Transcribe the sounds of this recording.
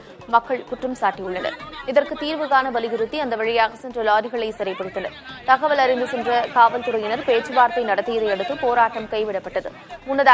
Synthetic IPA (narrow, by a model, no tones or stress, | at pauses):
mɐkːɐɭkʊʈrɐmsaːʈːijɯɭːɐnɐ̰ɾɪðɐrkɯt̪ːiːɾʋɯɣaːnɐʋɐlɪɣɪɾɯt̪ːiɐnd̪ɐʋɐɻɪjaːɣɐsɛndrɐlaːɾɪɣɐɭɐɪsɛɾɐɪpːɐɽɪt̪ːɐnɐ̰ɾt̪ɐɣɐʋɐlɐɾɪnd̪ɯsɛndrɐkaːʋɐlt̪ʊɾɐjɪnɐɾpeːt͡ʃːɯbaːɾt̪ːɐɪnɐɽɐt̪ːɪjɐðɐɪɛɽɯt̪ːɯpoːɾaːʈːɐmkɐɪʋɪɽɐpːɐʈːɐðɯ̰ | mʊnːɐð